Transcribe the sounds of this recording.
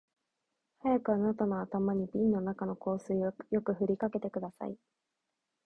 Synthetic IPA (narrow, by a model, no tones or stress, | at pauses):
hajakɯ̟anat̪ono̞at̪amaɲ̟ibʲĩnːo̞nakano̞ko̞ːsɨiojo̞kɯ̟ɸɯ̟ɾʲikake̞t̪e̞kɯ̟d̪asa̰i